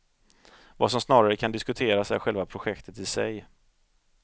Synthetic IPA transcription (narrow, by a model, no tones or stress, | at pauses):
va̰sɔmsnɑːɾaɾəkʰand̪ɪskɵt̪ʰeːɾasæ̰ɾɧɛlvapʰɾʊɧɛkt̪ʰət̪ɪsɛ̰j